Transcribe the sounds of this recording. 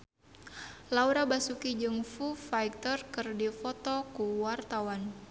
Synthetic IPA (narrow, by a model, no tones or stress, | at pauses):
lauɾabasukid͡ʒɨŋfufajk̚t̪ərkɨrdifɔt̪ɔkuwart̪awan